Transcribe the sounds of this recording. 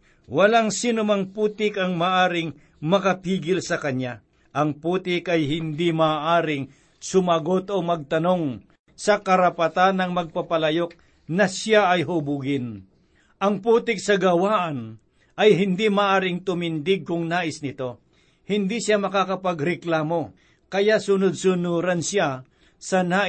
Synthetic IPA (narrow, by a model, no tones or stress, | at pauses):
wɐlaŋsiːnʊmɐŋpuːt̪ɪkɐŋmaʔaːɾɪŋ | mɐkɐpiːɡɪlsɐkɐnja | ʔɐŋpuːt̪ɪkɐjhɪnd̪imaːʔaːɾɪŋ | sʊmɐɡo̞t̪omɐɡ̚t̪ɐno̞ŋ | sɐkɐɾɐpɐt̪anːɐŋmɐɡ̚pɐpɐlɐjo̞k̚ | nɐsjaʔɐjɦʊbuɡɪn | ʔɐŋpuːt̪ɪk̚sɐɡɐwaːʔɐn | ʔɐjɦɪnd̪imaːʔaːɾɪŋt̪ʊmɪnd̪ɪɡ̚kʊŋnaːʔɪsnɪt̪o̞ | hɪnd̪isjamɐkakɐpɐɡɾɛklaːmo̞ | kɐjaʔsʊnod̪̚sʊnuɾɐnsja | sɐnaː